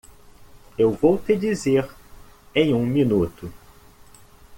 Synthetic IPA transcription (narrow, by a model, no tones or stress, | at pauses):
ewvowt̪ed͡ʒizeɾ | ẽj̃ũminut̪ʊ